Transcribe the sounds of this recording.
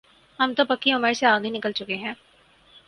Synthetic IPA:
hɐmt̪opɐkːiʊmeɾseaːɡinɪkəlt͡ʃʊkeɦɛ̃ː

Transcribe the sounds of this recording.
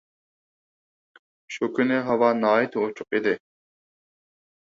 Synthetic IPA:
ʃukʲʰynɪɦɑwɑnɑːit̪ʰot͡ʃʰʊq̚id̪ɪ

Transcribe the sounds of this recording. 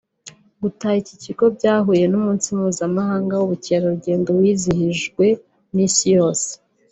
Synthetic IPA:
ɡutaiciciɡo̞bɟaːɦuje̞nuːmuːnsimuːzamaɦaːŋɡawuβuceɾoɾuɟe̞ːndowiːzihiʒɡwe̞ | nisijo̞ːse̥

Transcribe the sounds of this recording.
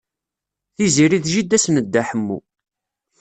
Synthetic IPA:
θiziɾiðʒid̪æsnəd̪ːaħəmːṵ

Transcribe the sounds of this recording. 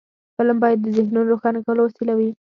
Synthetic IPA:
pəlambɑjad̪ːəzɪxnunɾoxɑnakawəlawasilawi

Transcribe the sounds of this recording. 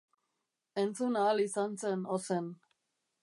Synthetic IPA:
ent͡sunaːlisansenosen

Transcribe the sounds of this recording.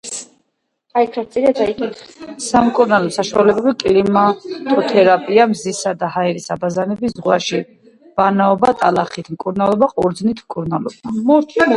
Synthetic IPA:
aikʰɾast̪sʼiɾiad̪aikʼit̪samkʼuɾnalˠɔsaʃualɛbɛlikʼiɾimat̪ʼɔt̪ʰɛɾapʼiamzisad̪ahaɛɾisabazanɛbiszʁwaʃi | v̥anaɔbat̪ʼalaχit̪ʰmkʼuɾnalˠɔbaqʼɔɾd̪znit̪ʰmkʼuɾnalˠɔ̰bamɔɾt͡ʃʰ

